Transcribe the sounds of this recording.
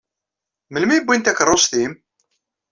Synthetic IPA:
məlmibːint̪ækərˤːosθim

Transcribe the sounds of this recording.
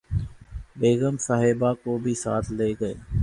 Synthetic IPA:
beːɣəmsaːɦeːbaːkoːbʱiːsaːt̪ʰleːɡəḛː

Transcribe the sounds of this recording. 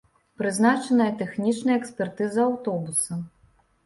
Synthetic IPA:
pɾɨznat͡ʂɐnɐjɐt̪ɛxnʲit͡ʂnɐjɐɛksʲpʲɛrt̪ɨzɐːwt̪ɔbusɐ

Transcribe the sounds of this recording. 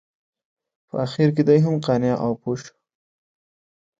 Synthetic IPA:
pə̰axiɾk̬ed̪ajɦamqɑnjɑʔawpoʃ

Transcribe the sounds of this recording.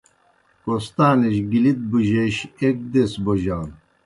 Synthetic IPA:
kost̪aːneɕɡilit̪̚buʑeɕek̚d̪esboʑaːn

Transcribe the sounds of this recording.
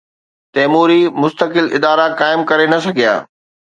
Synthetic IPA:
t̪ɛːmuːɾimʊst̪əkɪlɪ̰d̪aːɾakaːɪmkɐɾenɐsɐɡʱija̰ː

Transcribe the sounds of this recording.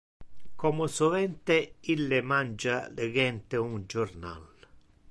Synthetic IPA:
kʰɔmʊsʊvɛnt̪ɪilːɪmand͡ʒalɪɡɛnt̪ɪund͡ʒʊrna̰l

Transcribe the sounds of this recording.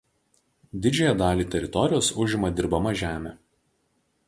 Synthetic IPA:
d̪ʲɪd͡ʒʲɛjɛd̪ɑːlʲiːt̪ʲɛɾʲɪt̪ɔɾʲɪjoːsʊʒʲɪmɐd̪ʲɪɾbɐmɐʒʲæːmʲɛ

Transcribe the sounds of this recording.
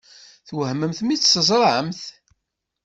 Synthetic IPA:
θwəhmːəmθmit͡sːsəzˤɾˤʕəmθ

